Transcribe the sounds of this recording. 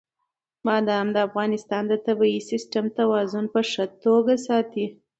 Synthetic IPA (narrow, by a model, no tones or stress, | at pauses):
mɑd̪əamd̪əafɣɑnɪst̪ɑnd̪ət̪abɑisɪsʈamt̪awɑzʊnpəʂət̪oɡasɑt̪i